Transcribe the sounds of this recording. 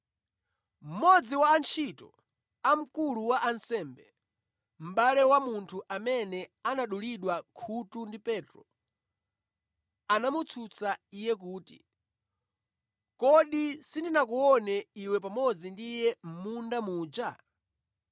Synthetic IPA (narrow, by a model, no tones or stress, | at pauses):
m̩mɔd͡ziwaːnt͡ʃʰitɔ | am̩kuluwaʔansɛmbɛ | m̩ɓalɛwamuntʰuʔamɛnɛanaɗuliɗwakʰutundipɛːtɾɔ | anamut͡sʰut͡saijɛk̬uːtḭ | kɔɗisindinak̬uɔnɛiwɛpamɔd͡zindijɛm̩mundamuːd͡ʒa